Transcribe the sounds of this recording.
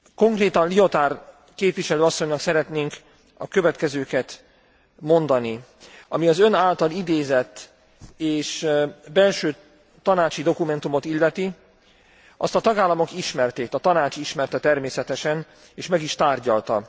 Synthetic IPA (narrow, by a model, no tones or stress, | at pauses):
ko̞ŋkreːt̪ɒnlio̞t̪aːr | keːpʋiʃɛløːɒsːo̞ɲnɒksɛɾɛt̪neːŋk | ɒ̰kø̞vɛt̪kɛzøːkɛt̪ | mo̞nd̪ɒni | ɒmiɒzø̞naːlt̪ɒlid̪eːzɛt̪ː | eːʃbɛlʃøː | t̪ɒnaːt͡ʃid̪o̞kumɛnt̪umo̞t̪ilːɛt̪i | ɒ̰st̪ɒt̪ɒɡaːlːɒmo̞kiʃmɛrt̪eːkt̪ɒt̪ɒnaːt͡ʃiʃmɛrt̪ɛt̪ɛrmeːsɛt̪ɛʃɛn | eːʃmɛɡiʃt̪aːrɟɒlt̪ɒ